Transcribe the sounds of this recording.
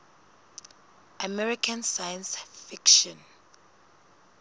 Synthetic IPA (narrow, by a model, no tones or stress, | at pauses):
ʔamɛɹikʰãnsajãnsfikʃɔ̃n